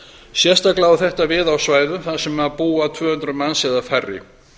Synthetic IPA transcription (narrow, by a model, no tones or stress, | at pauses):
sjɛ̥st̪aklaːwʏθɛht̪avɪðawsvaːjðʏmθaðsɛmːɛapuːat̪ʰvʏːhʏnt̪ɾʏmansɛðafɛrːɪ̰